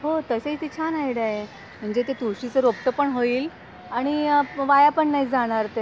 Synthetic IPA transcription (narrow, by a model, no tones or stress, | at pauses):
ɦot̪əset̪it͡ɕʰanajɽaje | m̤əɳd͡ʑet̪et̪uɾɕit͡səɾopʈəpəɳɦoiːl | aɽ̃iʋajapəɳːaid͡zaɽ̃aɾt̪e